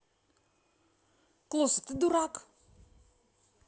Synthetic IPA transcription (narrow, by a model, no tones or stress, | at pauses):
klusətəduɾak